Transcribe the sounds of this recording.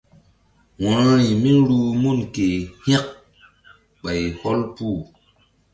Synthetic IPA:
wã˨˦ɾi˨mi˦ɾu˦mu˦˨nke˨hɛ˦k̚ | ɓa˨jho˦lpuː˦˨

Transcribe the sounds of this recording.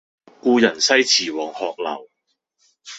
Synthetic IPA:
kuː˧jɐ˨˩nsɐ˥jt͡sʰiː˨˩wɔː˨˩ŋhɔː˨˧k̚lɐ̰˨˩w

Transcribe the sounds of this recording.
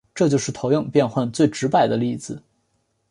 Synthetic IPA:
ʈ͡ʂɤ˥˧t͡ɕjo˥˧ʊʂɻ̩˥˩t̪ʰo˧˥ʊjɤ˥˧ŋpjɛ˥˧nxwa˥˧nt͡swe˥˩ɪʈ͡ʂɻ̩˧˥pa˥˩ɪd̪ə˦li˥˩d͡zɹ̩˨˩

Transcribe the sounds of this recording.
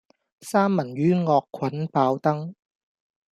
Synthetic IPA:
saː˥mːɐ˨˩nɥyː˥ŋɔː˧kʰwɐ˨˦npaː˧wt̪ɐ˥ŋ

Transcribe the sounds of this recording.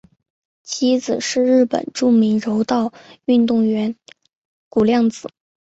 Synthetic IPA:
t͡ɕʰi˥d͡zɹ̩˨˩ʂɻ̩˥˧ɻɻ̩˥˩pə̰˨˩nʈ͡ʂu˥˩mi˧˥ŋɻo˧˥ʊt̪ɑ˥˧ʊy˥˧nt̪ʊ˥˩ŋɥɛ˧˥n | ku˨˩ljɑ˥˩ŋt͡sɹ̩˨˩˦

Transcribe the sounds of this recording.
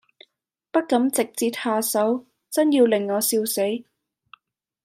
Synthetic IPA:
pɐ˥t̚kɐ˨˥mt͡sɪ˨k̚t͡siː˧t̪̚haː˧sɐ˨˥w | t͡sɐ˥njiː˧wlɪ˨˩ŋːɔː˨˧siː˧wse˨˥j

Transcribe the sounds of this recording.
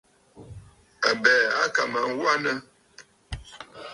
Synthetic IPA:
a˨bɛ˨a˦ka˨ma˨ŋ˦wa˦nə˦

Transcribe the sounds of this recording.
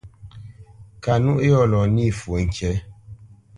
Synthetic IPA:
ka˨nu˦ʔjɔ˦˨lɔ˨ni˦˨fu˨ŋ̩˨kɛ˨˦

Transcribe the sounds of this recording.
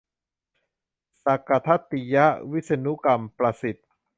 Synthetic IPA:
sa˨˧ka˧t̪ʰa˦˥t̪ːi˧ja˦˥ʔwi˦˥t̪̚sa˧nu˦˥ka˧mpɾa˧si˨˩t̪̚

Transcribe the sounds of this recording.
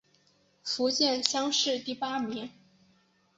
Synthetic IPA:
fu˧˥t͡ɕjɛ˥˩nɕjɑ˥ŋʂɻ̩˥˧t̪i˥˩pa˥mi˧˥ŋ

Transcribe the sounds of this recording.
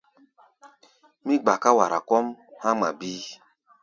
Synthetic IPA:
mi˦ɡ͡ba˨ka˦wa˨ɾa̰˨kɔ˦mha˦ma̰˨bi˦

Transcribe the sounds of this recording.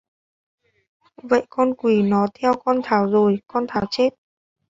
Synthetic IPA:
və̰˧˨jkɔ˧nkwi˨˩nɔ˨˦t̪ʰɛ˧wkɔ˧nt̪ʰaː˨˩˦wzo˨˩jkɔ˧nt̪ʰaː˨˦wt͡ɕe˦˥t̚

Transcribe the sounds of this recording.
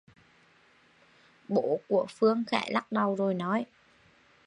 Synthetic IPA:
ɓo˧˥ku˧˩əfɨ˧əŋxɛ̰ː˧˩la˦˥k̚ɗa˨˩wzo˨˩jnɔ˨˦j

